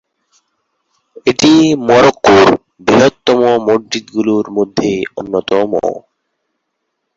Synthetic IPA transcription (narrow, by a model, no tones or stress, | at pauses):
eʈimɔɾokːoɾ | biɦot̪ːɔmomod͡ʒid̪ɡuluɾmod̪ʱːeonːot̪ɔmo̰